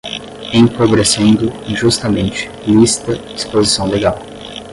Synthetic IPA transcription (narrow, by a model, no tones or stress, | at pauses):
ẽjkobɾesẽnd̪ʊ̃ʒust̪ɐmẽnt͡ʃɪ̥list̪ɐd͡ʒispozisɐ̃w̃leɡaw